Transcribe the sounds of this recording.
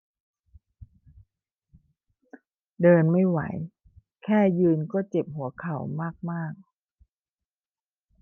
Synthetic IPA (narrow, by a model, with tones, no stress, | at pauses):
dɤː˧nma˥˩jwa̰˩˦j | kʰɛː˥˩jɯː˧nkɔː˥˩t͡ɕe˨˩p̚hu˩˦ɐkʰa˨˩˦wmaː˥˩k̚maː˥˩k̚